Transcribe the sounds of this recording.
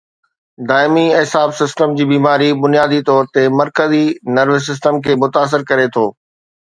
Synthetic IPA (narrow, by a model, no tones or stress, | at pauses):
d̪aːɪmiɪɦsaːbsɪsʈəmd͡ʑiːbiːmaːɾibʊnijaːd̪it̪ɔːɾt̪emɐɾkəzinɐɾʋes̬ɪs̬ʈəmkʰeːmʊt̪aːs̬ɪɾkɐɾet̪ʰoː